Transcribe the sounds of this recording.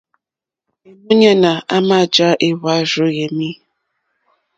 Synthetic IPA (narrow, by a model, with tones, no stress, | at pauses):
e˨mu˦ɲa˦na˨a˦ma˦˨d͡ʒa˦ʔe˦wa˦ɾo˦je˨mi˦